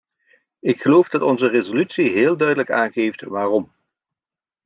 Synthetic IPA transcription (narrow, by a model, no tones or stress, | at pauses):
ɪkχəlowvdɑtɔnzərezolytsiɦɪːlˠdœɥdələkaːnɣejftʋaːrɔm